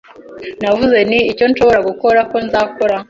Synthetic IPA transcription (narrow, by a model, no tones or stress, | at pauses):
navuze̞niːco̞nʃo̞βoɾaɡuko̞ɾako̞nzaːko̞ɾa